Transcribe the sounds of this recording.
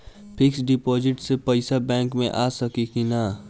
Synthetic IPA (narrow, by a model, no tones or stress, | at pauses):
pʰɪksɖɪpɔːd͡ʒɪʈsepɐɪsabɛ̃ːŋkmḛ̃ʔaːsɐkikina